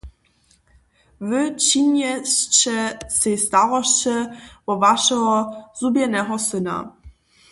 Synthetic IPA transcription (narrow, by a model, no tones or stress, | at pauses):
vɘt͡ɕiɲɛɕt͡ʃɛsest̪aɾɔʃt͡ɕɛvɔvaʂɛɦɔz̥ubjɛnɛɦɔsɘna̰